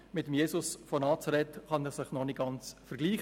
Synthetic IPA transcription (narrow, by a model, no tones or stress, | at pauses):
mɪtəmjeːsʊsfɔnɑːt͡sɑɾɛtχɑnɛːɾsɪχnɔnɪk̚ɡ̥ɑnt͡sfəɾɡliːχ